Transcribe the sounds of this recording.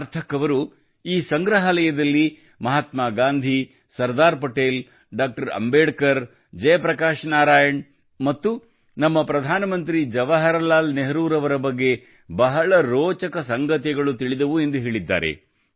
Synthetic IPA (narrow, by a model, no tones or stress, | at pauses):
ɐɾt̪ʰɐkɐʋɐɾu | iːsɐŋɡɾɐɦɐlɐjɐd̪ɐlːi | mɐɦɐt̪maːɡaːnd̪ʱi | sɐɾd̪aːɾpɐʈeːl | ɖaːk̚ʈɐɾɐ̰mbeːɖkɐɾ | d͡ʒɐjɐpɾɐkaːʃnaːɾaːjɐɳ | mɐt̪ːu | nɐmːɐpɾɐd̪ʱaːnɐmɐnt̪̬ɾid͡ʒɐʋɐɦɐɾɐlaːlneɦɾuːɾɐʋɐɾɐbɐɡːe̞ | bɐɦɐɭɐɾoːt͡ʃɐkɐsɐŋɡɐt̪iɡɐɭut̪iɭid̪ɐʋuend̪uɦeːɭid̪ːa̰ːɾḛ